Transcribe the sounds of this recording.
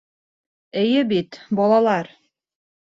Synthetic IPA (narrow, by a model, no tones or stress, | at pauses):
ɘ̆jɘbit̪bɒlˠɑlˠɑɾ